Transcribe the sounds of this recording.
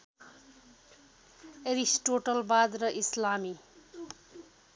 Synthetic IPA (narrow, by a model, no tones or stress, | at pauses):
eɾisʈoʈʌlbad̪rʌʔislami